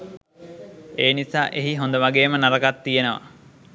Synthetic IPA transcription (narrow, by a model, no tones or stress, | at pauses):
eːnisaːʔeɦiɦond̪əʋaɡeːmənaɾɐkat̪ːijenəʋa̰